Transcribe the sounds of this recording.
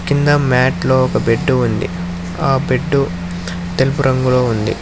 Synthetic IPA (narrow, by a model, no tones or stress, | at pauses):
kind̪ɐmaːʈlo̞ːɔkɐbe̞ɖːuːnd̪ḭ | aːbe̞ɖːu | t̪elipuɾɐŋɡulo̞ːund̪ḭ